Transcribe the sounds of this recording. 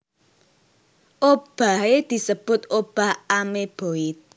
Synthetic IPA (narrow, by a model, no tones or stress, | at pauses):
ʔob̥a̤hed̪̥i̤səb̥ʊ̤t̪ʔob̥a̤hameb̥o̤ɪt̪̚